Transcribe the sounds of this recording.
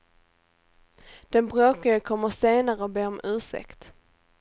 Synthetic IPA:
d̪̥ɛnbɾoːkaɡəkʰɔmːəʂeːnaɾəɔbeːɔmʔʉ̟ːʂɛ̰kt̪

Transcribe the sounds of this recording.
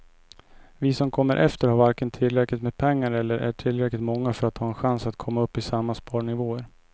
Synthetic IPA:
vɪsɔmkʰɔmːəɾʔɛ̰ft̪əɾhaɾvaɾkənt̪ʰɪlːɾɛklɪt̪meːd̪̚pʰɛŋːaɾɛlːəɾʔæ̰ʈʰɪlɾɛklɪt̪mɔŋːafœɾat̪ʰhɑːɛnɧansat̪kʰɔmːaɵpːɪsamːaspɑːɳɪvoːəɾ

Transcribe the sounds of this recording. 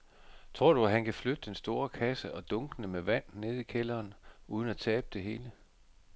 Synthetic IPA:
t͡sʰʁo̝ɐ̰ɾ̥uæɦænkʰæflød̥əd̥ensd̥o̝ːɐkʰæsəʔɒ̽d̥ɔ̽ŋɡ̥ənəmeʋæn̰ne̝ð̞ˠikʰelɐːnuːðˠən̩æt͡sʰɛːb̥əd̥e̝ɦe̝ːlə

